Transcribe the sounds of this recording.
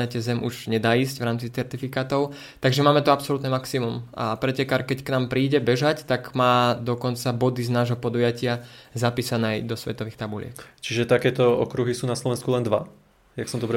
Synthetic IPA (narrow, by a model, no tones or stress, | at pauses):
ɛcɛzɛmʔuʒɲɛd̪aːiːsɟʋɾaːmt͡sit͡sɛɾt̪ifikaːt̪ɔʊ | t̪aɡʒɛmaːmɛt̪uapsɔlut̪nɛmaksimuma̰pɾɛcɛkaɾkɛcknaːmpɾiːɟɛbɛʒact̪aɡmaːd̪ɔkɔnt͡sabɔd̪iznaːʒɦɔpɔd̪ujacɪazapiːsanɛːd̪ɔsʋɛ̰t̪ɔʋiːxt̪abulɪɛ̰kt͡ʃiʒɛt̪akɛːt̪ɔɔ̰kɾuɦisuːnaslɔʋɛnskulɛnd̪ʋa | jaksɔmd̪ɔbɾɛ